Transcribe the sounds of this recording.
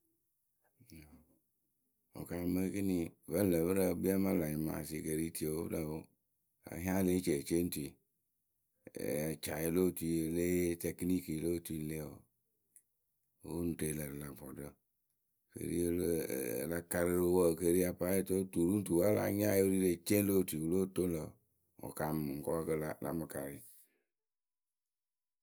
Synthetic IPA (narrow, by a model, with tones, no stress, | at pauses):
o̰˨ka˨˦mə˦ki˦nĩ˧˨və˦n̩˦lə˨bə˦ɾa˦˨bi˦a˦mã˦˨la˨ɲi˨ma̰˨si˧˨ke˨ɾi˦ti˦e˨o˦la˨wo˦ | a̰˨˦ɦĩ˦ã˦le˦t͡ʃe˨t͡ʃe˦n̩˦tu˨i˨ | t͡ʃa˨e˨˦lo˦˨tu˧˨˦e˨le˦te˨kni˦ki˨lo˦˨ti˦˨n̩˦le˦˨wo̰˨ | o˦n˨te˨lə˨ɾɨ˨la˨fɔ˨də˦ | kḛ˨ɾḭ˦e˦lla˧ka˧ɾə˦ɾo˦wɔ˦˨ke˦ɾi˦a˧pa˦e˦to˦tu˨ɾu˦n˦tu˨wa˦la̰˨˦ɲ˦a˦o˦ɾi˦le˨t͡ʃe˦lo˦˨ti˨wu˨lo˦to˦n˦lə˨ | ɔ̰˨ka˨m˨ŋ̩˨kɔ˦a˦˧kə˧la˨la̰˨mɨ˨ka˨ɾi˨